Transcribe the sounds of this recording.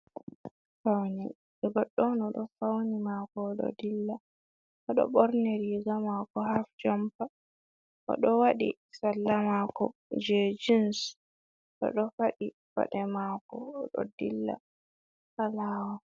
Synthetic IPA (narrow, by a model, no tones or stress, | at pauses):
fawni | ɛɡɔɗːɔnɔɗɔfawnimakɔːɗɔ̰dilːa | ɔɗɔ̰bɔɾnɛɾiɡamakɔhafd͡ʒɔmpa | ʔɔ̰ɗɔwaɗḭ | salːamakɔd͡ʒɛd͡ʒins | ɗɔ̰ɗɔfaɗi | fa̰ɗɛmakɔːɗɔ̰dilːa̰ | kalaːwa